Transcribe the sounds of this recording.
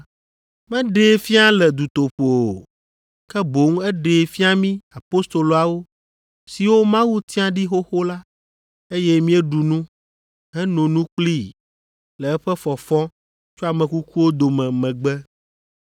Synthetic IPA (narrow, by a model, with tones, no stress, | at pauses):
mɛ̃˦ɖe˨˦fi˦a˦lɛ˨d̪u˨t̪o˨ɸo˨o˨ | kɛ˦bo˨˦ŋ˦ɛ˦ɖe˨fi˦a˦mĩ˦a˨po˦st̪o˨lo˨a˨wo˦ | si˨wo˦mã˦wu˦t̪i˦ã˨ɖi˦ɦo˦xo˦la˦ | e˦jɛ˦mĩ˦ɛ˦ɖu˨nũ˦ | ɦɛ˦nõ˨nũ˦k͡pli˦ | lɛ˨ɛ˦ɸɛ˦fɔ˨fɔ̃˦ | t͡ʃo˦a˨mɛ̃˨ku˦ku˦wo˦d̪o˨mɛ̃˨mɛ̃˨ɡ͡bɛ˦